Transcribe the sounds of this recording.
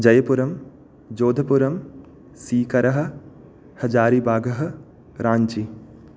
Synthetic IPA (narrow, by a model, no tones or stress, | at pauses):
d͡ʒɐjɐpuɾɐm | d͡ʒoːd̪ʱɐpuɾɐm | siːkɐɾɐɦɐ̆ | hɐd͡ʒaːɾibʱaːɡʱɐɦɐ̆ | ɾaːɲt͡ʃi